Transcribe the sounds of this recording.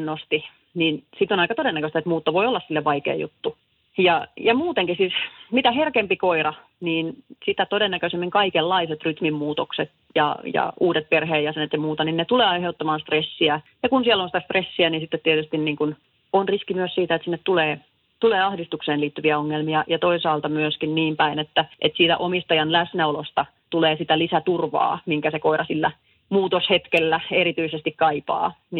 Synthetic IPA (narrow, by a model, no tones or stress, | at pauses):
nnost̪i | niːnsit̪onɑikɑt̪odenːækøst̪æet̪muːt̪ːɑʋoiolːɑssilːeʋʋɑikḛːjṵt̪ːu | jɑjɑmuːt̪eŋkisismit̪æherkempikoirɑ | niːnsit̪æt̪odenːækøsemːiŋkɑikelːɑiset̪ryt̪mimmuːt̪okset̪ | jɑ̰jɑ̰uːdet̪̚perheːjjɑsenet̪jɑmuːt̪ɑninnet̪uleːɑiheut̪ːɑmɑːnst̪resːiæ | jɑkunsielːonsit̪æst̪resːiæniːnsit̪ːet̪t̪ːiet̪yst̪inniːŋkun | onriskimyøssiːt̪æet̪sinːet̪t̪uleː | t̪uleːɑhdist̪ukseːnliːt̪ːyʋiæoŋːelmiɑjɑt̪oisɑːlt̪ɑmyøskinniːmpæinet̪ːæʔet̪siːt̪æ̰ʔomist̪ɑjɑnlæsnæolost̪ɑ | t̪uleːsit̪ælisæt̪urʋɑ̰ːmiŋkæsekoirɑsilːæ | muːt̪oshet̪kelːæeɾit̪yisest̪ikkɑipɑ̰ː | ni